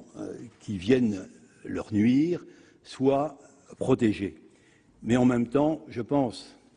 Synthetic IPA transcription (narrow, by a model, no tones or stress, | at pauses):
kʲivjɛn | lœ̰ʁnɥiːʁ | swa | pχɔt̪eʒe | mɛɑ̃mɛmt̪ɑ̃ʒəpɑ̃s